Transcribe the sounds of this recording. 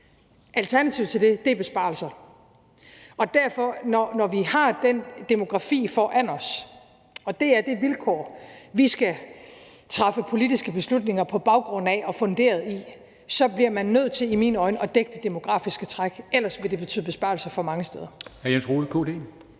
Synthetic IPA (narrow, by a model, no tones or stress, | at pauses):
ʔælt͡sʰæɐnæt͡sʰiʊ̰t͡sʰeld̥e̝d̥e̝b̥e̝sb̥ɑ̰̈ːl̩sɐ | ɒ̽d̥æɐfɒ̽nɒnɒʋihɑ̈d̥end̥e̝mo̝ɡ̥ʁɑ̈fḭːfɒʔænɒs | ɒ̽d̥e̝æɐd̥e̝ʋilkʰɒ̰ːʋisɡ̥æ | t͡sʰʁɑ̈fəpʰo̝lid̥isɡ̥əb̥e̝slud̥ne̝ŋɐpʰɒ̽b̥ɑ̈ʊɡ̥ʁɔ̽n̰̩æʔɒ̽fɔ̽nd̥e̝̰ːɐð̞ˠi | sɒ̽b̥liɐmænːøð̰ˠt͡sʰe̝limiːnɒ̽ɪnəʔɒ̽d̥eɡ̥̚d̥əd̥e̝mo̝ɡ̥ʁɑ̰̈ːfisɡ̥ət͡sʰʁɑɡ̥el̰ɐsʋe̝d̥e̝b̥e̝t͡sʰyːðˠb̥e̝sb̥ɑ̈ːlsɐfɒ̽mɑ̈ŋəsd̥eð̞ˠɐæjensʁo̝ːð̩ˠkʰo̝ːd̥e̝̰